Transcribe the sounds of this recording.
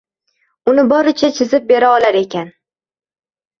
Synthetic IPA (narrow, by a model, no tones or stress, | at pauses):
ʊnɪbɒɾɪt͡ʃʰat͡ʃʰɪzɪp̚be̞ɾaɒlaɾe̞kʲan